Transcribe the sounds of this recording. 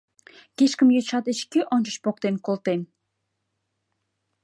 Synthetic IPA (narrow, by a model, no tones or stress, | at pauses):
keʃkə̆mjøt͡ʃɑt̪eʃkiʔɔnt͡ʃə̆ʃpok̚t̪enkolˠt̪en